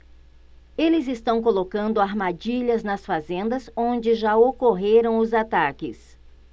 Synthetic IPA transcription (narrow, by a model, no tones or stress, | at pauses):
elɪzɪst̪ɐ̃w̃kolokɐ̃nd̪ʊaɾmad͡ʒiʎɐznɐsfazẽnd̪ɐzõnd͡ʒɪʒaokoɦeɾɐ̃w̃ʊzat̪akɪ̰s